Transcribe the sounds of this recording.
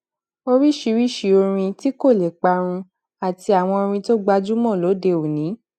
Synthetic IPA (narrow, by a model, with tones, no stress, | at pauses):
o˧ɾi˦ʃi˧˦ɾi˦˨ʃi˧˦o˧ɾ̃ĩ˧ti˦ko˦˨lɛ˨k͡pa˧ɾ̃ũ˧ | a˨ti˧a˨w̃ɔ̃˧o˧ɾ̃ĩ˧to˦ɡ͡ba˧d͡ʒu˦mɔ̃˦˨lo˨˦de˧o˨nĩ˨˦